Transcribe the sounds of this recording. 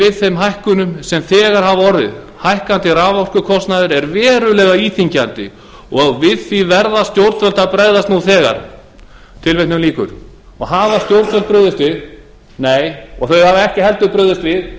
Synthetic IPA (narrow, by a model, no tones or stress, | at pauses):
vɪðθeɥmɦajhkʏnʏmsɛmθɛːɣaɾ̥havaɔɾðɪð | hajhkant̪ɪɾaːvaɔr̥kʏkʰɔst̪naðɪɾɛɾvɛːɾʏlɛːɣaiːθiɲcant̪ɪ̰ | ɔɣvɪðθivɛɾðast̪jowɾt̪fœl̥t̪apɾajðast̪nuθɛːɣa̰ɾ̥ | t̪ʰɪlvejt̪nʏmliːkʏ̰ɾ̥ | ɔɣhaːvast̪jowɾt̪fœlt̪̚pɾœðʏst̪vɪð | neːjɔɣθœɥavaɛhcɪɦɛl̪t̪ʏpɾœðʏst̪vɪð